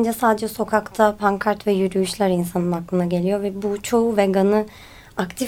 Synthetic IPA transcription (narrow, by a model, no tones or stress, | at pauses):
nd͡ʒɛsaːd̪ed͡ʒɛso̞kʰakt̪ʰapʰaŋkʰaɾt̪vɛjyɾyjyʃlʲæɾinsanɯnhaklˠɯnd̪aɟe̞lʲijo̞vɛbut͡ʃʰo̞uvɛɡanɯ | akt̪ʰi